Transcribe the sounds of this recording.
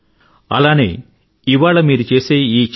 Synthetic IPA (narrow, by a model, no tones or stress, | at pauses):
ɐ̰laːnḛː | iʋaːɭɐmiːɾut͡ʃe̞ːseːiːt͡ʃ